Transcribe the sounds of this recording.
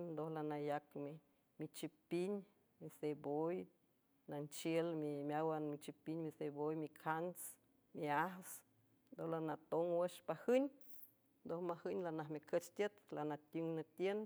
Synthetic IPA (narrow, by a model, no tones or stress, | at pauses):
nnd̪ohlanajakmi | mit͡ʃipiɲ | miseboj | nant͡ʃjelmimʲawanmit͡ʃipiɲmisebojmikʰans | miahs | nd̪ohlanat̪oŋwəʃpahɨɲʲ | nd̪ohmahɨɲʲlanaɦmikʰət͡ʃt̪ʲət̪lanat̪ʲuŋnat̪jen